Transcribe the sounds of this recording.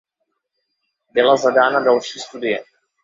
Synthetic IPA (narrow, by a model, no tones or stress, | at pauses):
bɪlazadaːnadalʃiːst̪udɪjɛ